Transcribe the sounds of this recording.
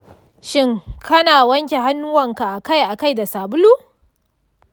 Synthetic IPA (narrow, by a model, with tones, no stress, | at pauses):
ʃɪ˦ŋkʰɐ˦naː˨wɐ˦ŋkʲe˨ɦa˦nːu˦wɐ˨ŋka˨ʔa˨ka˦˨jʔa˨ka˦jda˨saː˨bʊ˦luː˦